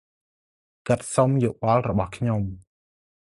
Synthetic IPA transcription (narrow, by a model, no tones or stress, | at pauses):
kɨt̪̚somjoːɓɑlrɔɓɑhkʰɲom